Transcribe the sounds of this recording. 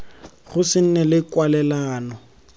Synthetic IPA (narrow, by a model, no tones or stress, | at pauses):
ɣʊsɪn̩nɛlɪkwalɛlaːnɔ